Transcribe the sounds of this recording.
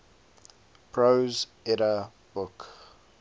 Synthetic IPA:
pʰɹoz | ɛɾə | b̥ʊk

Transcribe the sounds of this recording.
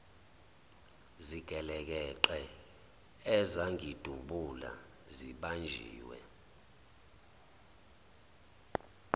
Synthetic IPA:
ziɡ̥ʱɛlɛk̬ɛǃɛ | ɛzaŋʱid̥ʱuɓula̰ | ziɓand͡ʒʱḭːwɛ̰

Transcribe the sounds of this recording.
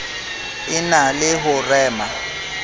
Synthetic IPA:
ɪnalɪɦʊrɛːma

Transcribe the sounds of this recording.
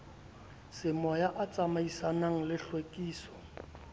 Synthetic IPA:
sɪmɔjaʔat͡sʼamaisanaŋ̩lɪɬwekʼiːsɔ̥

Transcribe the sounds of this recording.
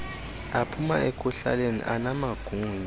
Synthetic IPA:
apʰuma̰ekʼuɬa̰lenḭʔanamaɡ̥ʱuːni

